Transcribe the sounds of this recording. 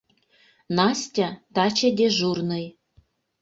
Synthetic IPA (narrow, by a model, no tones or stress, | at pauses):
nɑsʲtʲăt̪ɑt͡ɕĕd̪ʲeʒurnɤ̆j